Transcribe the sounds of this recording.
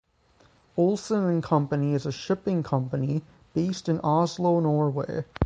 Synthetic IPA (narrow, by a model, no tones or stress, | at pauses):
oʊlˠsə̃nɨ̃nkʰʌ̃mpɨniɨzɨʃɪpɪ̃ŋkʰʌ̃mpɨni | b̥eɪstɨ̃nʔɑzloʊnɔɹweɪ